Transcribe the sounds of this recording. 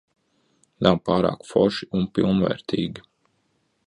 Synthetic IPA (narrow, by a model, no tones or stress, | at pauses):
nawpɑːɾa̰ːkfɔʃiunpilˠnvɛ̰ːɾt̪ʰiːɡʲi